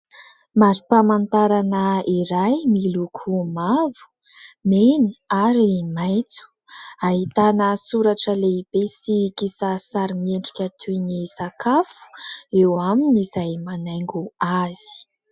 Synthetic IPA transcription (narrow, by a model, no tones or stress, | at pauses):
maɾipamant̪aɾanəiɾajmilukʰumavu̥ | meniaɾimajt͡su̥ | aɦit̪anəsuɾaʈ͡ʂəleib̥esikisasaɾimeɳɖ͡ʐi̥kʲət̪ʰunisakʰafu̥ewaminizajmanajŋɡuaz̥i̥